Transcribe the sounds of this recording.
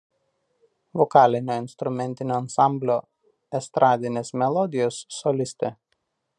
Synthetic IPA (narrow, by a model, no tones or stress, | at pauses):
ʋɔkɑːlʲɪnʲoːɪnst̪ɾʊmʲɛnʲt̪ʲɪnʲoːɐnsɑˑmʲbʲlʲoː | ɛst̪ɾʔɑːd̪ʲɪnʲeːsmʲɛlˠɔd̪ʲɪjoːsːɔlʲɪsʲt̪ʲe